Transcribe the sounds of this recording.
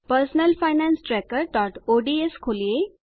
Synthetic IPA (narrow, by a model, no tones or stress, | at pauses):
pəɾsnəlfajnãnsʈɾɛkəɾɖɔʈoɖieskʰolije